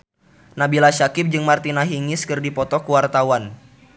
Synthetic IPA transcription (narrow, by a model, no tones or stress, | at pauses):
nabilaʃakɪp̚d͡ʒɨŋmart̪inaɦiŋɪskɨrdipɔt̪ɔkuwart̪awan